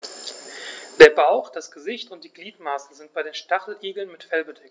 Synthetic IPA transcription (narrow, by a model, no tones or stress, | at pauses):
d̥eːɐbaʊxd̥asɡ̥əzɪçtʊnt̚d̥iːɡliːtmaːsəzɪnt̚b̥aɪɾeːnʃtaχl̩ʔiːɡl̩nmɪtfɛlbədɛkt